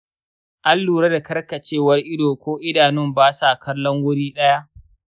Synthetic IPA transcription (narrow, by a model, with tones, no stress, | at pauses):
ʔa˦lːuː˨ɽa˦da˨kɐ˦rkɐ˨t͡ʃeː˦wɐ˦rʔɪ˦doː˨kʷoː˦ʔɪ˦daː˨nɪ˦˨mbaː˦sa˨kʰɐ˦lːɔ˦ŋwʊ˦ɽiː˦ɗɐ˦ja˦ʔ